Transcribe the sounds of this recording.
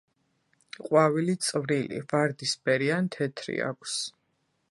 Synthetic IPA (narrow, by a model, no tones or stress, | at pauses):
qʼwavilit̪sʼvɾilḭvaɾd̪isbɛɾiant̪ʰɛt̪ʰɾḭa̰kʷʰs